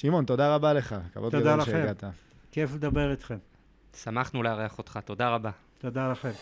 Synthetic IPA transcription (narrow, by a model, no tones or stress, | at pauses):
ʃimo̞nt̪o̞d̪aʁabale̞χaka̰vod̪ɡd̪alaʃeaeɡat̪a | kefled̪ɐbeʁit̪χem | samaχnuleaʁeaχot̪χat̪o̞d̪aʁaba | t̪od̪alɐχem